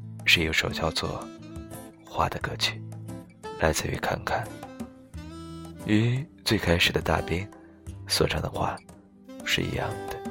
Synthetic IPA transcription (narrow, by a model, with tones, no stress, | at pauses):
ʂɻ̩˥˩˧o˧˥ʂo˨˩ʊɕjɑ˥˧ʊt͡swɔ̰˥˩ | xwa̰˥˩d̪ə˩kɤ˥t͡ɕʰy˨˩ | lʔa˧˥ɪt͡sɹ̩˥˩y̰˧˥kʰa̰˥˧nkʰa˥˩n | y˧˥t͡swe˥˩ɪkʰa˥ɪʂɻ̩˨˩d̪ə˦t̪a̰˥˧pi˥ŋ | swɔ̰˨˧˩ʈ͡ʂʰɑ˧˥ŋd̪ə˧xwa̰˥˩ | ʂɻ̩˥˩ḭ˧˥jɑ̰˥˩ŋd̪̥ə˩